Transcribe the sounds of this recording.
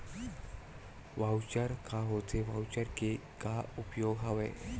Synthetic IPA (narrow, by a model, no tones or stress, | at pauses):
ʋawt͡ɕəɾkaɦot͡seʋawt͡ɕaɾkekaupjoɡɦaʋḛ